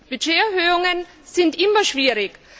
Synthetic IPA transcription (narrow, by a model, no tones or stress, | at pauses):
b̥yd͡ʒeːɛɐhøːʊŋən | z̥ɪntʔɪmɐʃv̥iːʁɪk